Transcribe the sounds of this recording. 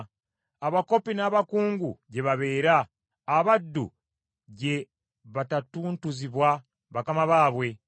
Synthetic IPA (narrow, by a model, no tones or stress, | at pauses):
aβako̞pinaβakuːŋɡṵɟe̞βaβe̞ːɾaː | βadːṵ | ɟe̞ | βatatuːntuziβwa | βakamaβaːβwe̞